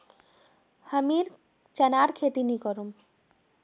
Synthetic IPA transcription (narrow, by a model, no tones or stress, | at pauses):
həmiɾ | t͡ɕɛnaɾkʰet̪inikɔɾum